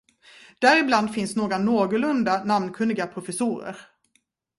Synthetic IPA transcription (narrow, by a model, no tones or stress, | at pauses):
d̪̥æːɾɪbland̪fɪnsnoːɡɾanoːɡʊlɵnd̪anamnkʰɵnd̪ɪɡapʰɾʊfɛsuːɾə̰ɾ